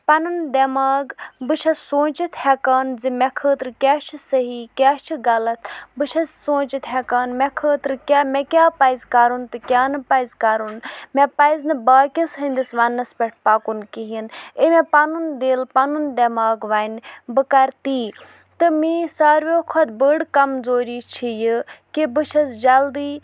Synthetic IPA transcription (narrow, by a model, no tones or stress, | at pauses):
pɐnund̪ɐmaːɡbɨʃʰɐsoːt͡ʃit̪hɛkaːnzimɛkʰəːt̪ɾɨkʲaːt͡ʃʰisɐɦikʲaːt͡ʃʰiɡɐlɐt̪ʰbɨʃʰɐsõːt͡ʃit̪ɦɛkaːnmɛkʰəːt̪ɾɨkʲamekʲaːpɐjzkaːɾunt̪ɨkʲaːnɨpɐjzkaɾunmɛ̃pɐiznɨbaːkʲɐsɦənʲd̪isʋɐnːɐspʲɛʈʰpaːkunkiɦinemɛ̃paːnund̪eːlpaːnund̪ɐmaːɡʋaːnbɨkɐɾt̪iː | t̪ɨmisaːɾʋoːkʰɔt̪̚bəɽkɐmzoːɾiːt͡ʃʰijɨkibɨʃʰɐzd͡ʒɐld̪iː